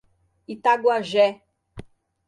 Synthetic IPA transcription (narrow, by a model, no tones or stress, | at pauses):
it̪aɡwaʒɛ